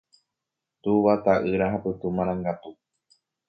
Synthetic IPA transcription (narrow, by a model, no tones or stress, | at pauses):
t̪uʋat̪aʔɨɾaɦapɨt̪umãɾ̃ãŋɡat̪u